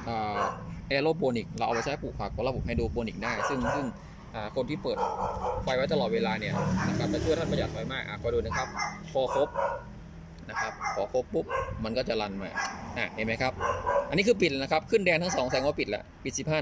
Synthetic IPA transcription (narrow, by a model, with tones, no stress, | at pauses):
ʔaː˨˩ʔɛː˧loː˥˩boː˧ni˨˩k̚laː˧wʔa̰˧wpa˧t͡ɕaː˦˥˩puː˨˩k̚pʰa˨˩k̚ːɔː˧˩la˧bo˨˩p̚ha˥˩jduː˧boː˧ni˨˩k̚daː˥˩jsɯ˥˩ŋsɯ˥˩ŋ | ʔaː˨˩kʰo˧nt̪ʰiː˥˩pɤː˨˩t̪̚kʰa˧jwa˦˥t̪a˧lɔː˨˩t̪̚weː˧laː˧ni˥˩ɐna˦˥kʰa˦˥p̚t̪ɛ˨˩t͡ɕʰːt̪ʰa˥˩bɔː˧˩jaː˨˩ɔː˧˩jmaː˥˩k̚ʔaː˨˩kʰɔː˧˩jduː˧nɯ˧˦kʰa˦˥p̚kʰɔː˨˦kʰo˦˥p̚ | na˦˥kʰa˦˥p̚kʰɔː˩˦kʰo˦˥pːu˦˥p̚ma˧nkɔː˥˩t͡ɕa˨˩la˧nma̰ː˧ʔa˧˩a˧˩ma˦˥jkʰa˦˥p̚ʔa˧nːiː˦˥kʰɯː˧pi˨˩lɛ˧˩na˦kʰa˦˥p̚kʰɯ˥˩ndɛː˧ŋt̪a˥ŋsɔː˩˦ŋsɛː˨˦ŋwaː˧˥˩pi˨t̪̚lɛ̰˧˩ʔpi˨˩t̪̚si˨˩p̚aː˥˩